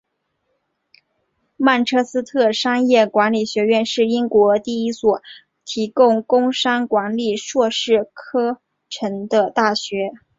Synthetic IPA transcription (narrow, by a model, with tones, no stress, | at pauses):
ma˥˩nʈ͡ʂʰɤ˥˩sɹ̩˥t̪ʰɤ˥˩ʂɑ˥ŋjɛ˥˩kwa˧˥nli˨˩ɕɥɛ˧˥ɥɛ˥˧nʂɻ̩˥˩i˥ŋkwɔ˧˥t̪i˥˩i˥swɔ˨˩˦ | t̪ʰi˧˥kʊ˥˧ŋkʊ˥ŋʂa˥nkwa˧˥nli˨˩ʂwɔ˥˧ʂɻ̩˥˩kʰɤ˥ | ʈ͡ʂʰə˧˥ŋd̪ə˧t̪a˥˩ɕɥɛ˧˥